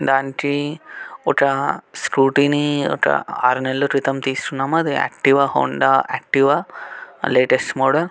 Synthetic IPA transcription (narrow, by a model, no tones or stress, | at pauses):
d̪aːnʈi | oʈaskuːʈinio̰ʈɐ̰a̰ːɾnelːutɾit̪ɐmt̪iːsʈunaːmɐd̪ɨɛ̰k̚ʈiʋaho̰ːɳɖaɛk̚ʈiʋa | leːʈesʈmoːɽɐl